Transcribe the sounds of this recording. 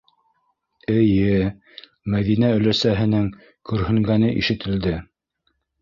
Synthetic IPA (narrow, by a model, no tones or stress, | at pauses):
ɘ̆jɘ | mæðinæɵ̆læsæɦɘ̆nɘŋ | kɵɾhɘ̆ŋɡænɘʔḭʃɘ̆t̪ɘ̆ld̪ɘ